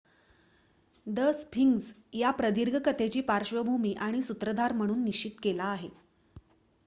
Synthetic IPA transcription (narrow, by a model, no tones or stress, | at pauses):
d̪əspʰiŋɡsjapɾəd̪ʱiɾɡʱəkət̪et͡ɕiːpaɾɕʋəbʱumiːʔaɽ̃isut̪ɾəd̪ʱaɾm̤əɽ̃uːnːiɕt͡ɕit̪kelaːɦe